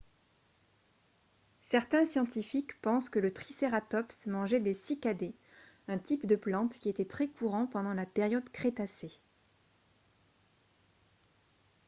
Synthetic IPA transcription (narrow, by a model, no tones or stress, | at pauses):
sɛʁt̪ɛ̃sjɑ̃t̪ifikpɑ̃skələt̪χiseʁat̪ɔpsmɑ̃ʒɛd̪esikad̪e | ɛ̃t̪ipd̪əplɑ̃t̪kʲiet̪ɛt̪χɛkuʁɑ̃pɑ̃d̪ɑ̃lapeʁjɔd̪kχet̪ase